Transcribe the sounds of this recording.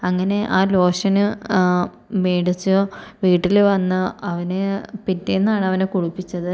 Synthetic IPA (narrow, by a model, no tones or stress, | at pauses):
ɐŋːɐne̞ʔaːlo̞ːʂɐnɨ | meːɽit͡ɕːɨʋiːʈːilʋɐnːɨɐʋɐnepinːenːaːɳɐʋɐnekuɻupːit͡ɕːɐðɨ